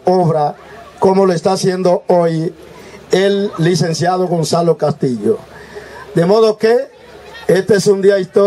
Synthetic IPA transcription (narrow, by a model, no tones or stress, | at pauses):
oβɾa | komoloest̪asje̞nd̪ooj | elːisẽnsjaðoɣonsalokast̪iʎo̰ | d̪emoð̞oke | est̪eesund̪iaist̪o